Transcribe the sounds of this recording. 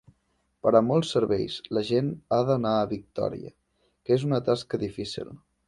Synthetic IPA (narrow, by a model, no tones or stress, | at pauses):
pəɾəmɔlˠsːəɾβɛjzləʒenaðənaəβik̚t̪ɔ̰ɾḭə̰ | kezunət̪askəðifisḭlˠ